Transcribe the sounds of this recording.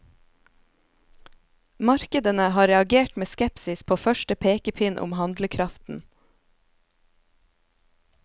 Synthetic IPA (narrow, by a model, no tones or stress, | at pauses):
mɑɾkəd̪ənəhɑːɾɛɑɡeːʈmeːskɛpsɪspʰoːfœʃʈəpʰeːkəpʰɪnʔʊ̰mhɑnd̪ləkʰɾɑft̪n̩